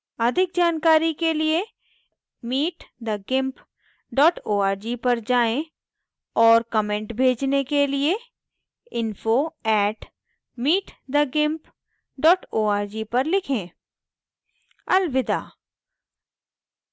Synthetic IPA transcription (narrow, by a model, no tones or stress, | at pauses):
ɐd̪ʱɪk̚d͡ʒaːnkaːɾikelie | miːʈd̪əɡɪ̃mp | ɖɔːʈoːaːɾd͡ʒipɐɾd͡ʒaːẽ | ɔːɾkɐmẽːɳʈbʱeːd͡ʒnekelie | ɪnfoɛːʈ | miːʈd̪əɡɪ̃mp | ɖɔːʈoːaːɾd͡ʒipɐɾlɪkʰẽː | ɐlʋɪd̪a̰ː